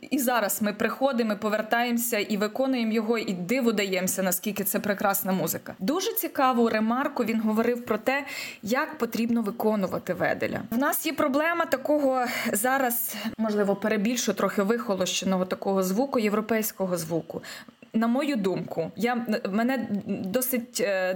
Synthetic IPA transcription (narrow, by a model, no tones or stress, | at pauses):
izɑɾɐsmɪpɾɪxɔd̪ɪmɪpɔʋert̪ɑjemsʲɐʔiʋɪkɔnʊjemjɔɦɔʔid̪ɪʋʊd̪ɐjɛmsʲɐnɐskʲilʲkɪt̪sɛpɾekɾɑsnɐmuzɪkɐd̪uʒɛt͡sʲikɑʋʊɾemɑrkʊʋʲinɦɔʋɔɾɪwpɾɔt̪ɛjɐkpɔt̪ɾʲibnɔʋɪkɔnʊʋɐ̰t̪ɪʋɛ̰d̪ḛlʲɐ̰wnɑsjɛpɾɔblˠɛmɐt̪ɐkɔɦɔzɑɾɐsmɔʒlˠɪʋɔpeɾebʲilʲʃʊt̪ɾɔxɪʋɪxɔlˠɔʃt͡ʃenɔɦɔt̪ɐkɔɦɔzʋukʊjewɾɔpɛjsʲkɔɦɔzʋukʊ | nɐmɔjud̪umkʊjamɛnɛd̪ɔsɪtʲ